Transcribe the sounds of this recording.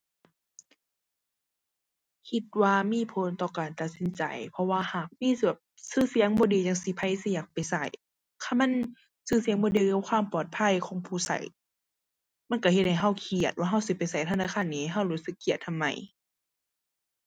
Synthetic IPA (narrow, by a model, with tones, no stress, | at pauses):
kʰi˧t̪̚waː˧miː˧˥˨pʰo˨˦nt̪ɔː˧˩kaː˨nt̪a˨˩t̪̚si˨˦nt͡ɕa̰˨˩jpʰɔ˧waː˧haː˨˩k̚miː˧˥˨sa˨˩p̚sɯː˧˥˨si˧˦əŋbɔː˧˦diː˨˦ɲa˨˧˩ŋsi˧˦pʰa˧˩jsi˧˨jaː˨˩k̚pa˨jsa̰˧˩j | kʰaː˧˩ma˧˥˨n | sɯː˧˩˨si˨˦ə˦ŋbɔː˧˦diː˧˦˧kʰwaː˧˥˨mpɔː˨˩t̪̚pʰa˧˥˨jkʰɔː˨˦ŋpʰuː˧˩sa̰˧˦j | ma˧˥˨nka˧˩he˧t̪̚ha˨jɦa˧˥˩wkʰi˧˨˩ət̪̚waː˧ɦa˧˥˩wsi˧˦pa˨jsa˨˩jt̪ʰa˧naː˧˨aː˧˥˨nːiː˧hɦa˧˥˩wɾuː˧˥˦sɯ˧˦kʰːi˧˨˩ət̪ʰːa˧˨mːa̰˧˩j